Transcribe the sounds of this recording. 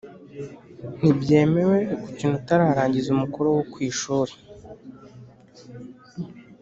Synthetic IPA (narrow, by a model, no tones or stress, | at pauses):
n̥ibɟe̞ːme̞we̞kuciːn̥hutaɾaːɾaːɲɟizumukuɾowokwiːʃuːɾe